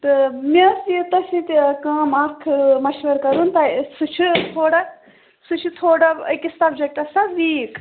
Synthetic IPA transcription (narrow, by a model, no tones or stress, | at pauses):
t̪ɨmesit̪ɐsit̪ʲkaːmɐkʰmɐʃʋɐɾkɐɾunt̪ɐsut͡ʃʰut̪ʰoːɽɐ | sut͡ʃʰut̪ʰoːɽɐbɐkʲisɐbd͡ʒɐk̚ʈɐsɐʋiːk